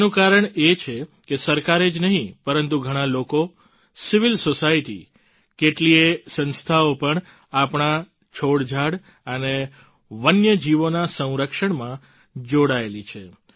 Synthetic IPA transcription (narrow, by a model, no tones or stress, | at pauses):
nũkaɾəɳet͡ʃʰekesəɾkaɾed͡ʒnəɦĩpəɾənt̪uɡʱəɽ̃aloko | siʋɪlsosaiʈḭ | keʈliesə̃nst̪ʰaopəɳ | apɳ̃a | t͡ʃʰoɽd͡ʒʱaɽ | əne | ʋənjəd͡ʒiʋonasə̃w̃ɾəkʃəɳmã | d͡ʒoɽaelit͡ʃʰe